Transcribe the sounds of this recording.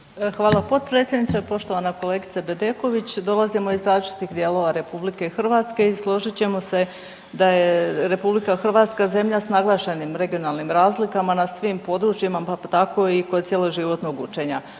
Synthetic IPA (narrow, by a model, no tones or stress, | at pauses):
xʋaːlˠapo̞d̪̚pɾe̞ːt̪sʲjed̪nit͡ʃ̪apo̞ʃt̪o̞ʋanako̞le̞ːɡit̪sabe̞d̪e̞ko̞ʋit͡ɕd̪o̞lˠazimo̞izɾaːzlit͡ʃi̥t̪ixd̪jeːlo̞ʋaɾe̞publike̞xr̩ʋat̪ske̞islˠo̞ʒit͡ɕe̞mo̞se̞ | d̪ajeɾe̞publikaxr̩ʋaːt̪skaze̞mʎasnaɡlˠaːʃe̞nimɾe̞ɡijo̞nalˠnimɾaːzlikamanasʋimpo̞d̪ɾut͡ɕjimaat̪ako̞ikod̪t̪sjeːloʒiʋo̞t̪no̞ɡut͡ʃe̞ɲa